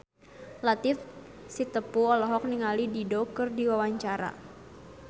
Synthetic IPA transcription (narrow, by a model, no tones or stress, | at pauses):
lat̪ɪfsit̪əpuɔlɔɦɔk̚niŋalididokɨrdiwawaɲt͡ʃaɾa̰